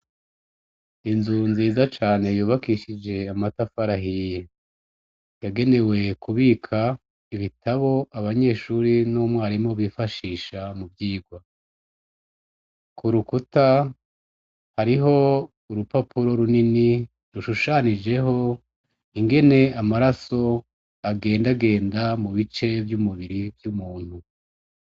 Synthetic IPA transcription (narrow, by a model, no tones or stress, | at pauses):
inzunziːzat͡ʃaːne̞juːβakiʃid͡ʒe̞amatafaɾaɦije | jaɡe̞ne̞we̞kuβiːkʰa | iβitʰaβo̞aβaɲe̞ːʃuɾinomwaːɾimoβiːfaʃiːʃamubɟiːɡwa | kʰuɾukuta | haɾiɦo̞ | uɾupapuɾo̞ɾunini | ɾuʃuʃanid͡ʒe̞ɦo̞ | iŋɡe̞ne̞amaɾaso̞ | aɡe̞ːndaɡe̞ːndamuβit͡ʃe̞vjumuβiɾivjumuːn̥hu